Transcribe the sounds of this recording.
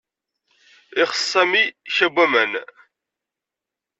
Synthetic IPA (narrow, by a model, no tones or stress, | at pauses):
ɪχə̥sːæmiçæbʷːæmən